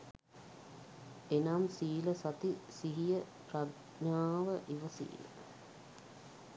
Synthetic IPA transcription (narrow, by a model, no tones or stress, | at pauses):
enamsiːləsat̪isiɦijə | prad | ɲaːʋəʔiʋəsḭːlə̰